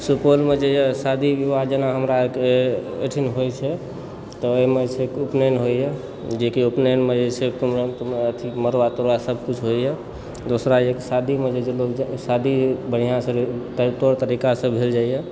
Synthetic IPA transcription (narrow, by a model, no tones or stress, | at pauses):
supolmed͡ʒeesad̪ʱibibad̪d͡ʒənaɦəmɾakḛʈʰinɦojt͡ʃʰɛ | t̪ɔːmet͡ʃʰekupnenɦoie | d͡ʒekiupnenmed͡ʒet͡ʃʰekumɾənt̪meət̪ʰiməɾʋat̪oɾʋasəbʱkut͡ʃʰɦoijɛ | d̪osɾaeksad̪ʱimed͡ʒed͡ʒeloksad̪ʱibəɽ̤ijãsə̃t̪t̪oɾt̪əɾikasə̃bʱeld͡ʒaijɛ